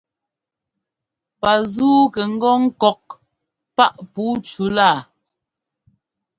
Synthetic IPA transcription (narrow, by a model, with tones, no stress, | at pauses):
pa˨zuː˦kɛ˨ŋ̩˦ɡɔ˦ŋ̩˦kɔ˨k̚ | pa˦ʔpuː˨˦t͡ʃu˨˦laː˦˨